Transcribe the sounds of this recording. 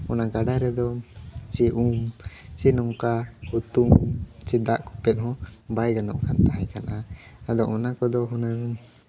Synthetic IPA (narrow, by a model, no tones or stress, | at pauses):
ɔnaɡaɖaɾɛd̪ɔt͡ʃiʔumt͡ʃɛnɔmkahut̪umt͡ʃɛd̪aʔkɔ̥pɛt̪̚ˀɦɔ̃bajɡanɔʔkant̪aɦajkanaad̪ɔʔɔnakɔd̪ɔɦɔnan